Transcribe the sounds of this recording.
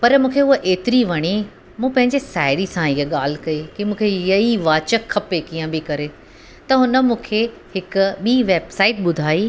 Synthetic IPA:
pɐɾmũːkʰeʊɦəʔeːt̪ɪɾiʋɐɽ̃i | mũːpɐ̃ɦɪ̃ɲd͡ʑesaːɪɽisãɪɦəɠaːl̤ɪkɐikimũːkʰeɪjəiʋaːt͡ɕəkʰːɐpekiːə̃bʱikɐɾe | t̪ɐɦʊnə̆mũːkʰe | hɪkʊ̆ɓiːʋeːbsaːɪʈ̚ɓʊd̪ʱaːi

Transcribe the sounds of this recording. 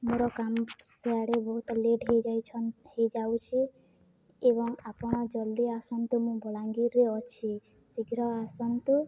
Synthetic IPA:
moɾɔkamseaɽebɔɦut̪ɔleɖɦejd͡ʒajt͡ʃʰɔnhejd͡ʒawt͡ʃʰi | eβɔŋapɔɽ̃ɔd͡ʒɔld̪iasɔnt̪umũbɔlaŋɡiɾeɔt͡ʃʰi | siɡɾɔasɔnt̪u

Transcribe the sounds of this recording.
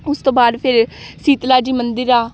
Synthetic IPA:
ʊst̪õːbaːd̪pʰɪɾsiːt̪laːd͡ʒiːmənd̪ɪɾaː

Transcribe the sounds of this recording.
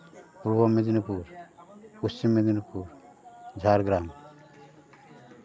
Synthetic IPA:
puɾbɔmed̪inipuɾpust͡ʃimːed̪inupuɾd͡ʒʱaɾɡɾam

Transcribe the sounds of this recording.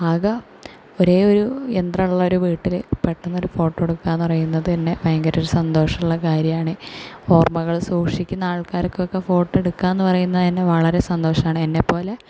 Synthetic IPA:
ɐɣɐ | o̞ɾe̞ːo̞ɾuend̪rɐmuɭːɐo̞ɾuʋiːʈːilpe̞ʈːunːɐo̞ɾufo̞ːʈːeɽukːanenːɨpɐrɐjunːɐðɨenːe̞bejɐŋɡɐɾoɾusɐnd̪o̞ːʂɐmuɭːɐkaːɾjɐmaːɳɨo̞ːrmɐɣɐɭsuːkʂikʲːunːɐaːɭkaːɾokːeokːe̞fo̞ːʈːe̞ɽukːanenːɨpɐrɐjunːɐinːe̞ʋɐɭɐɾe̞sɐnd̪o̞ːʂɐmaːɳɨenːe̞pːo̞ːle̞

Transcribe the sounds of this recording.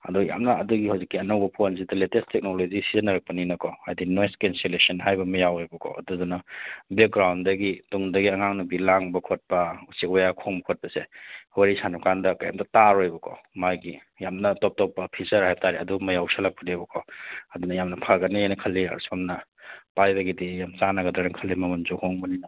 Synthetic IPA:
ɐ̰duja̰mnɐɐduɡihawzikːiɐnɐwbɐpʰons̬idɐletestek̚nolozisizɐnɐɾɐk̚pɐninɐkʰɔhajdinojskenselesɐnɦajbɐmɐjawojbɐkʰɔ̰ʔɐ̰duzunɐbek̚ɡɾawndɐɡituŋdɐɡiɐŋaŋnubilaŋbɐkʰot̚pɐusikwajakʰoŋbɐkʰot̚pɐsewɐɾisanukandɐkaja̰mtɐtaɾojbɐkʰɔ̰majɡi | jamnɐtɔp̚tɔpːɐpʰisɐɾhajb̚tʰaɾeɐdumɐjawsalak̚pɐnibɐkʰɔɐdunɐjamnɐpʰaɡɐnijajnɐkʰɐlːiɐ̰ɾsomnɐpajbɐɡidijamt͡ʃanɐɡɐdɾaɾaŋkʰɐlːimɐmɐnzohoŋbɐnina

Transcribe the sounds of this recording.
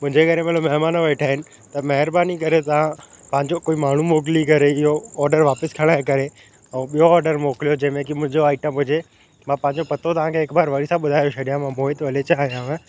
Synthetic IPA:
mʊ̃ɦɪ̃ɲd͡ʑekɐɾemelomɛɦmaːnoʋɛːɪʈʰaːɦɪnɪ̆ | t̪ɐmɐɦɪɾbaːnik̬ɐɾet̪ɐʋ̤ã | pɐ̃ɦɪ̃ɲd͡ʑokoːimaːɳ̤umoːk̬ɪlikɐɾeɪɦoɔːɾɖəɾʋaːpɪskʰɐɽ̃aɦẽkɐɾe | ɛ̃ːɓijoɔːɾɖəɾmoːkɪlijod͡ʑɐ̃ɦɪ̃mẽkimʊ̃ɦɪ̃ɲd͡ʑoaːɪʈəmɦʊd͡ʑe | mãːpɐ̃ɦɪ̃ɲd͡ʑopɐt̪ot̪ɐʋãkʰeːkbaːɾʋaɾisãɓʊd̪ʱaːjoʃɐɗijãmãmoːɦɪt̪ʋɐlet͡ɕaːɦɦijãẽ

